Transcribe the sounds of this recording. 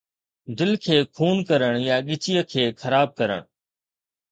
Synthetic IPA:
d̪ɪlkʰeːkʰuːnkəɾəɽ̃jaːɠɪt͡ʃijəkʰeːxʰəɾaːb̚kəɾə̰ɽ̃

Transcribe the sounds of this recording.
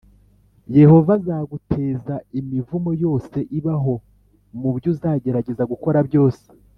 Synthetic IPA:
je̞ho̞vazaːɡutʰe̞ːzaimivumo̞jo̞ːse̞ʔiβaɦo̞ | mubjuzaːɟe̞ɾaɟe̞zaɡuko̞ɾabjo̞ːse̥

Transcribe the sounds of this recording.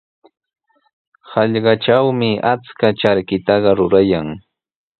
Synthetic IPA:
hɑʎɢɑt͡ʃawmɪʔat͡skat͡ʃaɾkɪt̪ɑɢɑɾʊɾajaŋ

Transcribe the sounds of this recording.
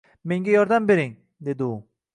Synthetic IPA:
me̞ŋɡʲajɒɾd̪ambe̞ɾɪŋ | d̪e̞d̪ɪʊ

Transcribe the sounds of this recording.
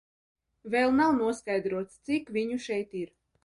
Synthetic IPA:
vɛlˠnawnuɔskajd̪ɾuɔt̪st̪sikvʲiɲuʃɛjt̪iɾ

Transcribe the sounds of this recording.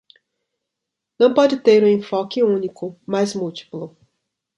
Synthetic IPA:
nɐ̃w̃pɔd͡ʒɪt̪eɾũẽfɔkɪũnikʊmajzmuwti̥plʊ

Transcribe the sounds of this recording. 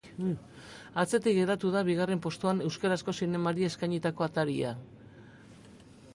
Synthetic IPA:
at͡se̞t̪ikɡeɾat̪uðaβiɣare̞mpo̞st̪uane̞wskaɾasko̞sine̞maɾie̞skajɲit̪ako̞at̪aɾia̰

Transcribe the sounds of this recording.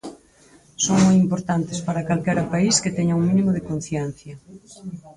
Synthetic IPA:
soŋmojimpoɾt̪ant̪e̥spaɾakalkɛɾɐpaisket̪ɛɲɐuŋmĩnimoðekon̟θjɛn̟θjɐ

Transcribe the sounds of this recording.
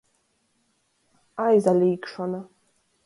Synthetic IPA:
ajzaliːkʂanɨ

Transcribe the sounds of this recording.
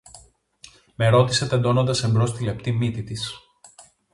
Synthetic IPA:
me̞ɾo̞t̪i̥set̪end̪o̞no̞nd̪ɐse̞mbɾo̞st̪ile̞pt̪imit̪it̪is

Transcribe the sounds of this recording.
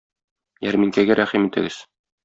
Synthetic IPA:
jæɾmiŋkæɡæɾæχimit̪ɘ̆ɡɘz̥

